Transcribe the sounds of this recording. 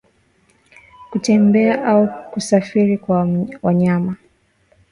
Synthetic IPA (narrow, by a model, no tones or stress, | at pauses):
kutɛmbɛaʔaukusafiɾikwawaɲama